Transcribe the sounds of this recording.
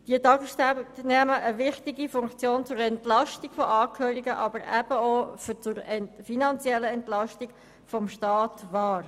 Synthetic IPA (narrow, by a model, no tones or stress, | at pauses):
d̥iətɑɡəstɛnɛməʔəvɪχtiɡifʊŋkt͡sjoːnt͡sʊɾɛntlɑʃtiɡ̥fɔʔɑːkʰhøːɾiɡəʔɑbəɾæb̥əoːft͡sʊɾɛnfinɑnt͡sjɛlːəɛntlɑʃtiɡ̥ | fɔmʃtɑːtvɑːɾ